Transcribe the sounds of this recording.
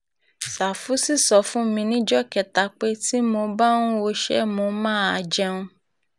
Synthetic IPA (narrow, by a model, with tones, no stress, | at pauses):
sa˨fu˨˦si˦˨sɔ˨˦fũ˦mĩ˧nĩ˦d͡ʒɔ˦˨kɛ˨ta˨˦k͡pe˦ti˦mo˧ba˦nũ˦o˧ʃɛ̰˦mo˧mãː˦˨a˧d͡ʒɛ˧ũ˧